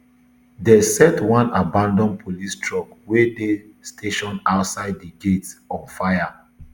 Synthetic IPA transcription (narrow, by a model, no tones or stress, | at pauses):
dɛsɛtwãnabãndɔ̃npʰolistʰɹɔkwede | stʰeʃɔ̃naʊtsaɪddiɡetɔ̃nfaja